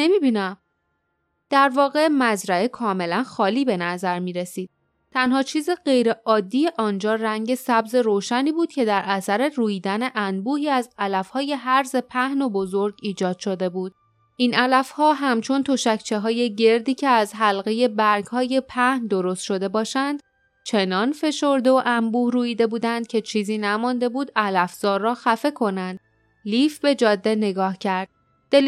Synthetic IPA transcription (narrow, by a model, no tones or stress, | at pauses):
nemiːbiːnæm | d̪̥æɾvɒːɣe̞mæzɾæe̞kʰɒːme̞lænxɒːliːbe̞næzæɾmiːɾe̞siːd̪̥̚ | t̪ʰænhɒːt͡ʃʰiːziɢe̞jɾe̞ʔɒːd̪ːijeʔɒːnd͡ʒɒːræɲɟe̞sæbze̞ɾoːʃæniːbuːd̪̥cʰe̞d̪æɾʔæsæɾe̞ruːjiːd̪æne̞ʔænbuːhiːæzælæfhɒːje̞ɦæɾze̞pʰæhno̞bo̞zo̞ɾɡiːd͡ʒɒːd̪̥ʃo̞d̪e̞buːd̪̥̚ | ʔinʔælæfhɒːɦæmt͡ʃʰo̞nt̪ʰo̞ʃæcʰt͡ʃʰe̞ɦɒːje̞ɟe̞ɾd̪iːcʰe̞æzɦælɣe̞je̞bæɾɡhɒːje̞pʰæhnd̪o̞ɾo̞st̪ʃo̞d̪e̞bɒːʃænd̪̥ | t͡ʃʰe̞nɒːnfe̞ʃo̞ɾd̪eoʔæmbuːhruːiːd̪e̞buːd̪ænd̪̥cʰe̞t͡ʃʰiːziːnæmɒnd̪e̞buːd̪ælæfz̥ɒːɾːɒːxæfe̞kʰo̞nænd̪̥ | liːfbe̞d͡ʒɒːd̪ːe̞ne̞ɡɒːhcʰæɾd̪̥̚ | d̪̥e